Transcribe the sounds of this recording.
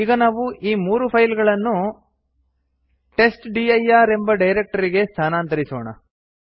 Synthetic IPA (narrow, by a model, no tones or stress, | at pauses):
iːɡɐnaːʋuʔiːmuːɾupʰɐjlɡɐɭɐnːu | ʈe̞sʈɖiːɐjaːɾe̞mbɐɖɐjɾe̞k̚ʈɐɾiɡe̞st̪ʰaːnaːnt̪ɐɾisoːɳɐ̰